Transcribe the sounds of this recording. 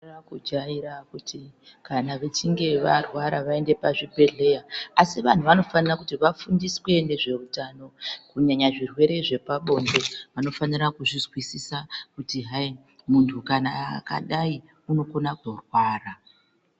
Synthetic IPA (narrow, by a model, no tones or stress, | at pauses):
rakud͡ʒaiɾakuti | kanaʋe̞t͡ʃiŋɡe̞ʋarwaɾaʋae̞nde̞paʐibʱe̞ɮe̞jaːsiʋan̤uʋano̞fanirakutiʋafundiswe̞ne̞ʐe̞utano̞kuɲaɲaʐirwe̞ɾe̞ʐe̞paɓo̞ndo̞ʋano̞fanirakuʐizwisisakutiɦai | muntʰukanaka̰ɗai | uno̞konakorwaːra